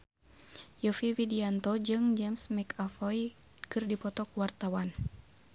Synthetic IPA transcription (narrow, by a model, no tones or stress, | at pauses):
jɔfiwidiant̪ɔd͡ʒɨŋd͡ʒɛmsmɛkafɔj | kɨrdipɔt̪ɔkuwart̪awan